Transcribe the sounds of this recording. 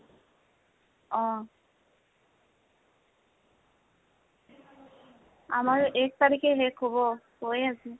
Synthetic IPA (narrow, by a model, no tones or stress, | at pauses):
ɔ̃ | a̰maɾɛk̚t̪aɾikeɦekʰɦobo | hoeasʰi